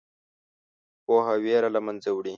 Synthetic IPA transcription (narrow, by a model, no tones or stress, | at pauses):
poːɦaweːɾalamɐnzewɽi